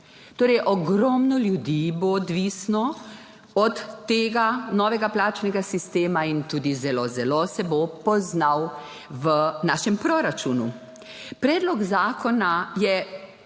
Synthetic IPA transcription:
t̪oːɾɛjʔɔɡɾɔmnɔljud̪iboːd̪ʋisnɔ | ɔt̪ːeːɡanɔːʋɛɡaplaːt͡ʃnɛɡasist̪eːmaint̪uːd̪izɛloːzɛlosɛbopɔznaw | ʋənaːʃɛmpɾoɾat͡ʃuːnu | pɾɛːd̪lɔɡzaːkʰɔnajɛ

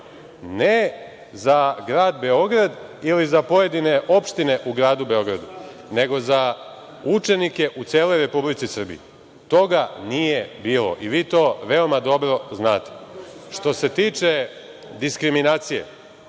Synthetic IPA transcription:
ne | zaɡɾaːd̪be̞o̞ɡɾad̪ilizapo̞je̞d̪ine̞ʔo̞pʃt̪ine̞ʔuɡɾaːd̪ube̞o̞ɡɾa̰d̪u | ne̞ɡo̞za | ut͡ʃe̞nike̞ʔut̪seːlo̞jɾe̞publit̪sisr̩bḭḭ | t̪o̞ɡanijebiːlˠo̞̰ʔiʋiːt̪o̞ʋe̞o̞mad̪o̞bɾo̞znaːt̪e̥ʃt̪o̞se̞t̪iːt͡ʃe̞d̪iskɾiminaːt̪sije̞̰

